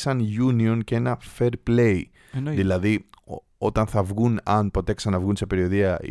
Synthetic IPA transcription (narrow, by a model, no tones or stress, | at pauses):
sɐnʝunio̞nceenɐfe̞ɾplej | ðilɐði | o̞t̪ɐnθɐvɣunɐnpo̞t̪eeksɐnɐvɣunse̞pe̞ɾio̞ðiɐ̰